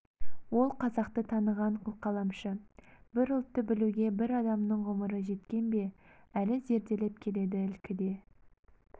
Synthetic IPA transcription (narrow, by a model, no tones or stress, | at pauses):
wo̞lˠqʰɑzɑqt̪ət̪ʰɑnəʁɑɴqʰəlˠqɑlˠɑmʃəbɪɾʊlˠt̪ːəbɪluɡʲe̞bɪɾɑd̪ɑmnəɴʁʊməɾəʒe̞t̪kʲe̞nbe̞ælɪze̞ɾd̪e̞lepkʲʰe̞le̞d̪ɪɪlkʲʰɪd̪e̞